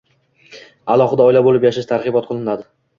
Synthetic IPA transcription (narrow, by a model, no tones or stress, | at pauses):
alˠɒχɨd̪aɒɪlabolɪpjaʃaʃt̪ʰaɾʁɨbɒt̪̚qʰɨlˠɪnad̪ɪ